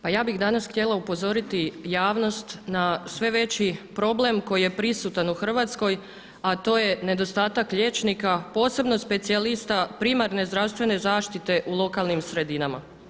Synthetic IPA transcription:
pajaːbixd̪anasxt̪je̞laupo̞zo̞ɾit̪ijaːʋno̞st̪nasʋe̞ʋe̞t͡ɕipɾo̞ble̞mko̞jije̞pɾisut̪anuxr̩ʋat̪sko̞j | at̪o̞ːje̞ne̞d̪o̞st̪aːt̪akʎe̞ːt͡ʃnikapo̞ːse̞bno̞spe̞t̪sialist̪apɾimaɾne̞zd̪ɾaʋst̪ʋe̞ne̞zaːʃt̪it̪e̞ʔulˠo̞kalˠnimsɾe̞d̪inama̰

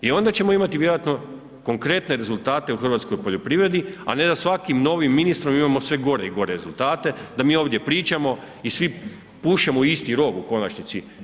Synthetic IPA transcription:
io̞nd̪at͡ɕe̞mo̞imat̪iʋje̞ɾojat̪no̞ | ko̞ŋkɾe̞t̪ne̞ɾe̞zulˠt̪aːt̪e̞uxr̩ʋat̪sko̞jpo̞ʎo̞pɾiːʋɾe̞d̪ia̰ne̞d̪asʋakimno̞ːʋimːinist̪ɾo̞mimamo̞sʋe̞ɡo̞ɾeiɡo̞ɾe̞ɾe̞zulˠt̪aːt̪e̞d̪amiːo̞ːʋd̪je̞pɾiːt͡ʃamo̞ | isʋi | puʃemoist̪iɾo̞ɡuko̞nat͡ɕnit̪si

